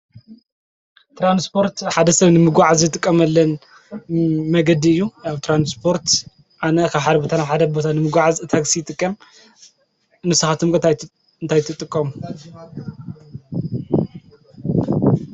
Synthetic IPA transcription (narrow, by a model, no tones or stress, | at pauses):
t̪ʰɾanspʰo̞ɾt̪ħad̪ɐsɐβnɨmɨɡʷaʕazjɨt̪ʼɨkʼːɐmɐlːɐn | mɐɡɐd̪iɨjːuaβt̪ʰɾanspʰo̞ɾt̪ | ʔanɐkʰaβħad̪ɐbot̪ʰanaβħad̪ɐbo̞t̪ʰanɨmɨɡʷaʕazɨt̪ʰaksijɨt̪ʼɨkʼːɐm | nɨsɐxat̪ʰɨmkɨ | ɨnt̪ʰajt̪ʰɨt̪ʼɨkʼːɐmu